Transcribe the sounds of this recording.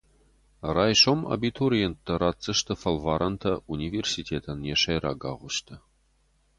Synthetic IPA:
raːjʃomɐ̰bit̪ʰuɾijɛntd̪ɐɾaːt͡sʼːɨʃt̪ʰɐfɐlvaːɾʔɐnt̪ʰɐunʲiversitʲʰeːt̪ʰɐnjɛʂɐjra̰ːɡa̰ʁʷʊʃt̪ʰɐ

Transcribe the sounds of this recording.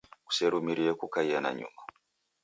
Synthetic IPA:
ku̥seɾumiɾiekukaiana̰ɲṵma

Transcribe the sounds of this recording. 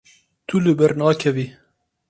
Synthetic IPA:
t̪ʰulɨbɛɾnɑːkʰɛviː

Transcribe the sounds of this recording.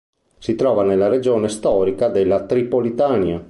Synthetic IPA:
sit̪ɾɔːvanelːaɾed͡ʒoːnest̪ɔːɾikad̪elːat̪ɾipolit̪ania

